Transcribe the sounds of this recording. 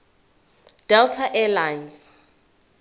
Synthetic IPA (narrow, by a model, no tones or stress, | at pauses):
d̥ɛltʰaʔɛlajns